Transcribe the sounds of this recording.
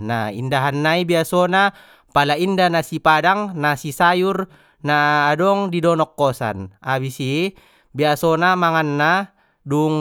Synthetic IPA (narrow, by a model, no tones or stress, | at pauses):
na̰ḭndaɦanːaibiasɔna | palaindanasipadaŋnasisajur | naːdɔŋdidɔnɔkːɔsa̰naβisi | biasɔnamaŋanːa | duŋ